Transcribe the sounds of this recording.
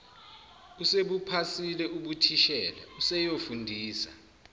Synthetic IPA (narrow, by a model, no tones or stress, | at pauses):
useɓupʰasilɛʔuɓutʰiʃɛːlɛ̰usɛjofundʱiːsa̰